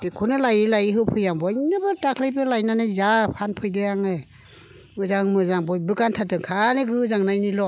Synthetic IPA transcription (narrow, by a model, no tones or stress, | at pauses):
bikʰunɯlajɯlajiɦɯpʰɯjaŋbɔjnɯbɯtakʰlɯjbɯlajnanɯzapʰanpʰɯjdɯjaŋɯ | mɯzaŋmɯzaŋbɔjbɯkantʰatɯŋkʰanɯɡɯzaŋnajnilɔ